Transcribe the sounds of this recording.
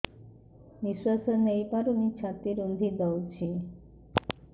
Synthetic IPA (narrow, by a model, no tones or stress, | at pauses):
niswasonejpaɾonit͡ɕʰat̪ːiɾond̪ʱid̪ɔwt͡ɕʰi